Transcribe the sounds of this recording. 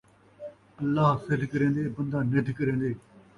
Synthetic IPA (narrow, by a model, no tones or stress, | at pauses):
əlːaːɦsɪd̪kəɾẽːnd̪eːbənd̪ãːned̪kəɾẽːnd̪eː